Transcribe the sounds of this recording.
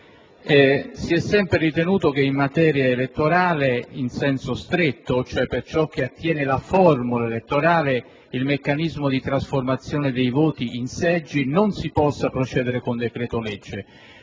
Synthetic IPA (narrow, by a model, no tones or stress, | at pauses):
ɛsiɛsːɛmpɾerit̪enuːt̪ok̟eimmːat̪ɛːɾjaelet̪ːoɾaːleinsɛnsost̪ɾet̪ːot͡ʃoɛpːert͡ʃɔk̟ːeat̪ːjɛːnelafɔrmulaelet̪ːoɾaːle | ilmekːanizmod̪it̪ɾasformat̪sːjoːned̪ejvoːt̪iinsɛd͡ʒːinonsipɔsːapɾot͡ʃɛːd̪eɾekond̪ekɾɛːt̪olɛd͡ʒːe